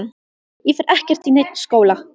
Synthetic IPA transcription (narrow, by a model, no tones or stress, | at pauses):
jɛfɛɾʔɛhcɛr̥t̪inejt̪̚n̥skoːwla